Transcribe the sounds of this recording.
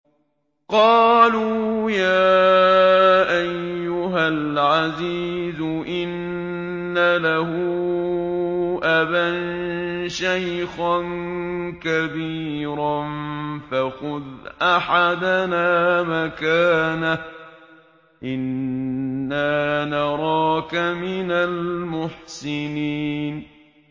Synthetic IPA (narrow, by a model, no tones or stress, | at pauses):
qɑːluːjaː | ʔajːʊɦalʕaziːzʊʔɪnː | alahʊ | ʔabannʃajxankabiːɾanfaxʊðʔaħad̪anaːmakaːna | ʔɪnː | aːnɑɾˤɑːkamɪnalmʊħsɪniːn